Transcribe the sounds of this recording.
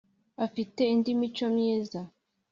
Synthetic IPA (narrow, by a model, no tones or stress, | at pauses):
afite̞indimit͡ʃomɲeːza